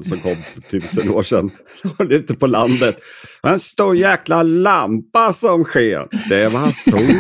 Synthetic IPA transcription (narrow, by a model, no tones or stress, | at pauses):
sɔmkʰɔmːfœʈʰʉ̟ːsəno̰ːʂɛ̰nː | ɔlʉ̟ːt̪əpɔland̪ət̪ɔɛnst̪uːɾjæːklalampasɔmɧeːɾd̪̥ɛvɑsɔ